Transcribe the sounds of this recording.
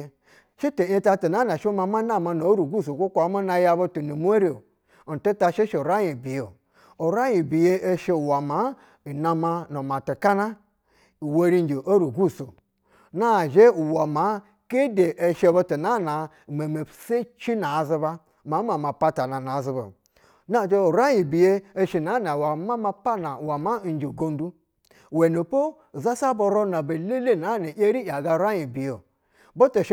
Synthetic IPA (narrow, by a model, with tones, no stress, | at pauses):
ʃi˦te˨˦e˦ta˦tu˨na˦na˨ʃo˦ma˨ma˦na˦ma˨no˨˦ɾu˨ɡu˦˨s̬o˨kʷo˦kʷa˨˦ma˦na˨˦ja˦bo˦tu˨nu˨m˦e˦ɾe˨ | n̩˨tu˦ta˦ʃe˦ʃe˨o˨ɾa˦ji˨bi˨jo˨ | o˨ɾa˦jĩ˨bi˨je˦e˦ʃe˦u˨wa˨ma˨˦˨ | na˨ma˦no˨ma˨ti˨ka˦na˦ | i˨wa˦ɾi˦n˦d͡ʒi˨ʔo˦ɾu˨ɡu˦˨so˨ | na˦˨ʒe˦u˨wa˨ma˨˦ | ke˦de˨ʔe˨ʃe˦bo˦tu˨na˦˨na˨ | me˨me˨pse˦t͡ʃi˦na˨zi˦ba˦ | ma˨˦m˦a˨ma˨pa˦ta˨na˨na˨zi˦bo̰˨ | na˦˨d͡ʒe˦˨ɾa˦ji˨bi˨je˦e˦ʃi˨na˨˦na˨wa˨ma˦ma˦pa˦na˨wa˨ma˦˨n˦d͡ʒi˨ɡo˦n˦du˦˨ | we˨no˨po˦˨ | za˦sa˦bo˨ɾo˦na˨be˨le˦le˦na˨˦na˨ʔe˦ɾi˦ja˨ɡa˦ɾʷa˦ji˨bi˨jo˨ | bo˦to˨ʃ